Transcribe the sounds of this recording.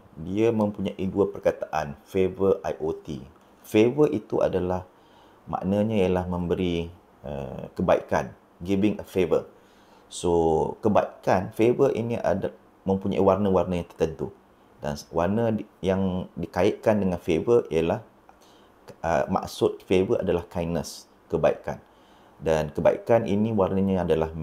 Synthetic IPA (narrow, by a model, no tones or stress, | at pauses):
diamə̃mpuɲãʔiduapərkat̪aʔanfevəʔajʔot̪ḭ | fevəʔit̪uʔa̰dalah | mã̰ʔnəɲãijəlahmə̃mbəɾi | ə̰kəbaḭkan | ɡibɪŋəfevə̰r | sokəba̰ikanfevəʔḭniʔa̰da | mə̃mpuɲa̰ḭwarnəwarnə̃jaŋt̪ərt̪ənt̪u | danwarnəjaŋdikaɪʔ̪̚kandəŋanfevəiəlah | ə̰ma̰ksʊt̪̚fevəʔa̰dalahkajnə̃s | kəbaḭka̰n | dankəba̰ḭkanʔḭnĩwarnəɲãadalah